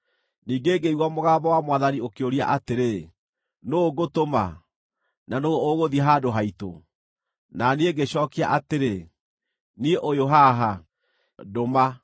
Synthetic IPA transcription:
niːɡeːɡeiɣwɔmoɣaːbɔwamwaðaniokeoɾia̰ʔateɾe | noɡotoma̰ | nanooɣoðiɦadoɦaito̰ | naneeɡeɕɔːkiaʔateɾe | nieʔojoɦaɦa | doma

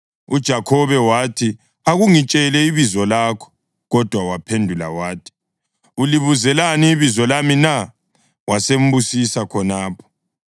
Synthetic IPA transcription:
ud̥ʒ̥ʱakʰɔβɛwatʰi | aɣuŋit͡ʃʼɛlɛiβizɔlaːkʰɔ̥ | ɣɔd̥ʱwawapʰendʱula̰waːtʰi̥ | uliβuzɛlaniːβizɔlamina | wasem̩busisakʰɔnaːpʰɔ̥

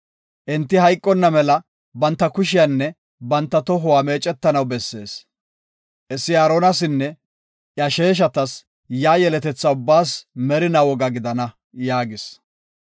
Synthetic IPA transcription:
ʔɛnt̪ːɪɦɐjkʼːɔnːɐmɛlɐ | bɐnt̪ːɐkʊʃɪjɐnːɛ | bɐnt̪ːɐt̪ɔɦʊwaːme̞ːt͡ʃʼːɛt̪ːɐnɐwbɛsːe̞̰ːs | ʔɛsːɪaːɾɔnɐsɪnːɛ | ʔjɐʃe̞ːʃ̬ɐt̪ɐs | jaːjɛlɛt̪ɛt͡sːɐʊbːaːsmɛɾɪnɐwɔɡɐɡɪd̪ɐnɐ | jaːɡɪs

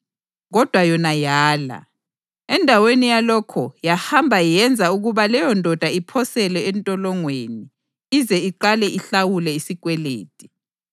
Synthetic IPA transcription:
ɣɔd̥ʱwajɔnajaːla̰ | ɛndʱawenijalɔkʰɔjahambʱajɛnd͡zʱauɣuβalɛjɔndʱɔd̥ʱaipʰɔsɛlɛɛntʼɔlɔŋweni | izɛiǃalɛʔiɬawulɛisiɣʼwɛlḛːtʼi̥

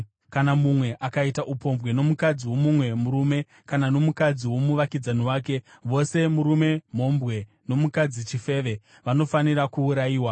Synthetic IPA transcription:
kanamumwe̞ʔakaitaʔupo̞mvwe̞no̞mukad͡ziwo̞mumwe̞muɾume̞ | kanano̞mukad͡ziwo̞muʋakid͡zaniwaːke̞ʋo̞se̞muɾume̞m̤o̞mbɣe̞ | no̞mukad͡zit͡ʃife̞ʋe̞ | ʋano̞faniɾakuːɾaiːwa

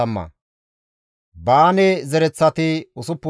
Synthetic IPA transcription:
ɐmːɐ̰ | baːnɛzɛɾɛt͡sːɐt̪ɪʊsʊpːʊ

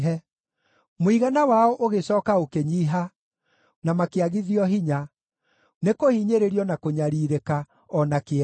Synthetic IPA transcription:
ɦɛ | moiɣanawaɔʔoɣesɔːkaokeɲiɦa | namakeaɣiðiɔɦiɲa | nekohiɲeɾeɾiɔnakoɲaɾiːɾeka | ɔnake

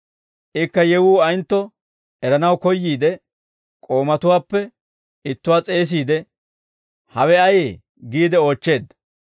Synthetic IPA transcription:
ʔɪkːɐjɛwuːɐjnt̪ːɔ | ɛɾɐnɐwkɔjːiːd̪ɛ | kʼo̞ːmɐt̪ʊwaːpːɛ | ɪt̪ːʊwaːt͡sʼe̞ːs̬iːd̪ɛ | hɐwɛɐjeː | ɡiːd̪ɛo̞ːt͡ʃːe̞ːd̪

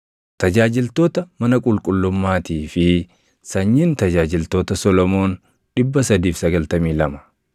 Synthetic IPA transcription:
t̪ɐd͡ʒaːd͡ʒɪlt̪o̞ːt̪ɐmɐnɐkʼʊlkʼʊlːʊmːaːt̪iːfɪ | sɐɲːiːnt̪ɐd͡ʒaːd͡ʒɪlt̪o̞ːt̪ɐsɔlɔmo̞ːn | ᶑɪbːɐsɐd̪iːfsɐɡɐlt̪ɐmiːlɐmɐ̥

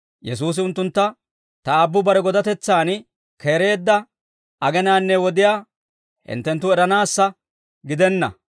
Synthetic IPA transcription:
jɛs̬uːs̬ɪʊnt̪ːʊnt̪ːɐ | t̪ɐbːʊbɐɾɛɡɔd̪ɐt̪ɛt͡sːaːn | kʰeːɾe̞ːd̪ːɐ | ɐɡɛnaːnːɛwɔd̪ɪjaː | hɪ̰nt̪ːɛnt̪̬ːʊɛɾɐnaːsːɐ | ɡɪd̪ɛnːɐ̰

